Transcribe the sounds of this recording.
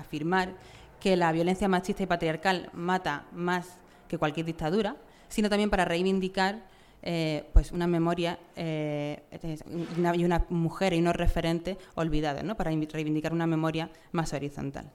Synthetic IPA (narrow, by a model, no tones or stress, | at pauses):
afiɾmaɾ | ke̞laβjo̞le̞n̟θjamat͡ʃist̪aipat̪ɾiaɾkalmat̪amas | ke̞kwalkjeɾðik̚t̪aðuɾa | sinot̪amje̞mpaɾare̞jβind̪ikaɾ | epwe̞sunamẽ̞mo̞ɾjae | naiunamuxe̞ɾiuno̞re̞fe̞ɾẽ̞nt̪e̞o̞lβiðaðo̰no̞paɾarejβinikaɾunamẽ̞mo̞ɾja | maso̞ɾiθo̞̰nt̪a̰l